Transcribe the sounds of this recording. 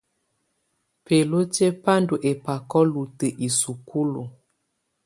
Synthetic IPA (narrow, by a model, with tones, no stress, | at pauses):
pe˨lo˦te˦pa˦ndo˨ʔe˨pa˨kɔ˦lu˨tə˨ʔi˨su˨kʰu˦lo˨